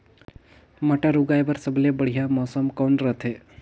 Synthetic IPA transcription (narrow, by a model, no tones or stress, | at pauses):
məʈaɾuɡajbəɾsəblebəɽ̤ijamɔːsəmkɔːɳɾət̪ʰe